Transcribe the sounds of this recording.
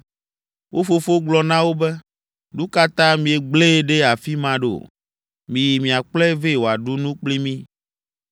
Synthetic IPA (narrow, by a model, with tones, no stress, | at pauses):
wʔo˦fo˦fo˦ɡ͡blɔ˨nã˦wo˦bɛ˦ | nũ˦ka˦t̪ã˦mĩ˨e˨ɡ͡ble˦ɖe˦a˨fi˦mã˦ɖo̰˨ | mĩ˨ji˨mĩ˨a˨k͡plɛ˦ve˦˨wo˨a˨ɖu˦nũ˦k͡pli˦mĩ˦